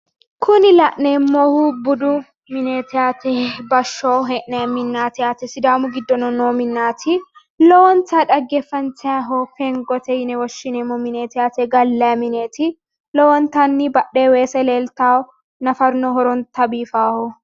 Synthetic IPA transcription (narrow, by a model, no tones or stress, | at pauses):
kʰʊnɪlɐʔneːmːɔhʊbʊd̪ʊ | mɪneːt̪ʰɛaːt̪ʰɛbɐʃːoːɦɛʔnɛmɪnːaːt̪ɪaːt̪ɛsɪd̪aːmʊɡɪd̪ːɔnɔnoːmɪnːaːt̪ʰɪ | lɔwɔnt̪aᶑɐɡːɛfːɐnt͡sɛɐɦɔfɛŋɡɔt̪ɛjɪnɛwɔʃːɪnɛmːɔmɪneːt̪ɛaːt̪ɛɡɐlːɐmɪneːt̪ɪ | lɔwɔnt̪ɐnːɪbɐɗːeːweːsɛleːlt̪aː | nɐfɐɾnɔɦɔɾɔnt̪ɐbiːfaːhɔ